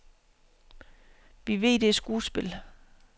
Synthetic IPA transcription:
ʋiʋe̝̰ːd̥esɡ̥uːsb̥e̝l

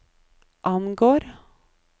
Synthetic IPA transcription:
ʔɑnɡoːɾ

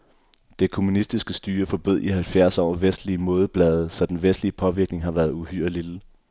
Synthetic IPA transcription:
d̥e̝kʰo̝munisd̥isɡ̥əsd̥yːɐfɒ̽b̥øð̞̰ˠiɦælfjæɐ̰sɒ̰ːʋesd̥liəmo̝ːð̞ˠb̥lɛːð̞̩ˠəsɒ̽d̥enʋesd̥liəpʰɒ̽ʋiɐɡ̥ne̝ŋɦɑ̈ʋæːɐðˠuhyɐ̰lil̥ə

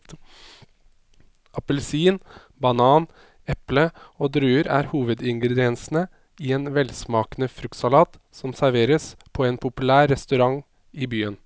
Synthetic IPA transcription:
ɑpəlsiːn | bɑnɑːn | ɛpləoːd̪ɾʉːəɾæːɾhuːʋəd̪ɪŋɡɾɛd̪ɪɛnsnə | ɪɛeːnʋɛlsmɑːkənəfɾʉk̪sɑlɑːt̪ | sɔmsæɾʋeːɾəspʰɔeːnpʰʊpʉlæːɾːɛst̪ʉɾɑŋ | ɪbyːən

